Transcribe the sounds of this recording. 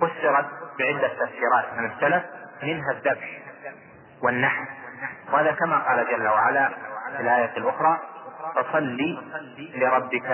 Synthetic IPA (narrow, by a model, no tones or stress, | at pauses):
fʊsːɨɾˤɑt̪̚bɪʕɪd̪ːat̪ːafsiːɾˤɑːt̪mɪnasːalafmɪnɦaðːabħ | wɪnːaħmwhaːðakamaqɑːlad͡ʒalːawaʕalaɪlʔaːjaːt̪ɪlʔʊxɾˤɑːt̪ʊsˤɑlːilɪɾˤɑbːɪka